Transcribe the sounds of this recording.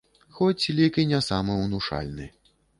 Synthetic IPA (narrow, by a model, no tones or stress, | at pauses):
xɔt͡sʲlʲikɨnʲasamɨwnuʂa̰lʲnɨ̰